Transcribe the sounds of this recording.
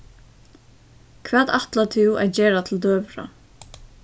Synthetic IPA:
kʰvɛːt̪aht̪lat̪ʰɪwa̰ðd͡ʑɛːɾat̪ʰɪld̪øːvɾa̰

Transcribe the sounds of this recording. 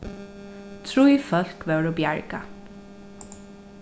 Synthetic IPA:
t̪ʰɾujfœl̥kʋɛːɹɔbjaɹka

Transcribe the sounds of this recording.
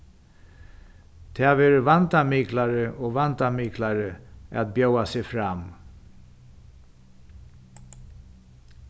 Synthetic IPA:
t̪ʰeaveːɾəʋant̪amiːklaɾəʔɔːʋant̪amiːklaɾəa̰t̪̚bjœwasɛfɾam

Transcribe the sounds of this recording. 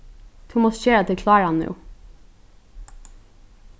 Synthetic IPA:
t̪ʰʉmɔst̪çeːɹat̪ʰɪlkʰlɑːɹanːʉ̰ː

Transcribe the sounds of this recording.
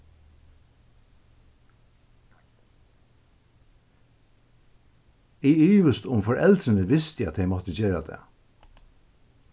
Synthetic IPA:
iːyːʋəst̪ʊmfɔɹɛ̰lt̪ɾɪnəʋɪst̪jæɑt̪̚d̪eɪmɔt̪əd͡ʒeːɹad̪ḛː

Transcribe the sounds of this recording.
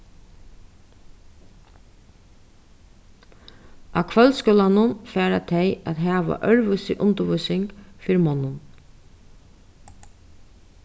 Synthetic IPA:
ʔakʰʋœlskʊːlanʊnfæːɾat̪ʰɛjat̪ɦæːʋa̰ʔœɹʋʏsɪ̰ʔʊnt̪əʋʊsɪŋkfɪɾmɔnːʊn

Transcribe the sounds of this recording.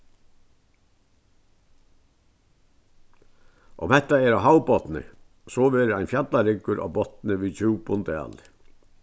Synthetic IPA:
ʔɔ̰mhɛht̪ːaɛɾaɦawpɔt̪nɪ̰ | sɔːʋɛːɾɪajnfjat̪laɾɪkːʏɾʔa̰ːbɔt̪nɪʋiːt͡ɕʰuwpʊnt̪ɛ̰ːl

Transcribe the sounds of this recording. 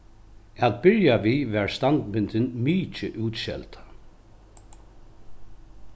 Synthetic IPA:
æt̪̚bɪɹjaʋiːʋæːɹst̪ant̪mɪnt̪ɪnmiːt͡ʃɪʔuːt̪ʃɛ̰lt̪ḁ

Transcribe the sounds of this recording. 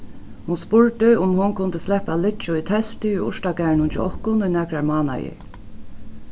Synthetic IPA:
hʊnspʊɹt̪ɪʊmhʊnkʰʊnt̪əslɛhpalɪt͡ʃʊit̪ʰɛl̥t̪ɪʊjʊ̰ʂt̪aɡæːɹɳʊnt͡ʃɪ̰ɔ̰hkʊnʊjnɛkɹaɹmɑːna̰jɪ̰

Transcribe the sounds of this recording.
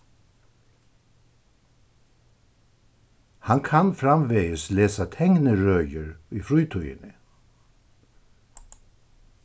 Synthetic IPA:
haŋkʰanfɾamʋeːəsleːsat̪ʰɛŋnəɾœːjəɾyːfɾuːt̪ʰɔjə̰nə

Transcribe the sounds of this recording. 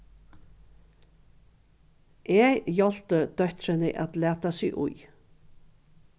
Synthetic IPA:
ʔeːɡjɑlt̪əd̪̥œt̪ɾənəʔæ̰t̪læːt̪asḭːʔṵʏ

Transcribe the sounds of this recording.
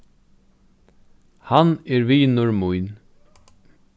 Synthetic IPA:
hanɛɹviːnʊɹmʊjn

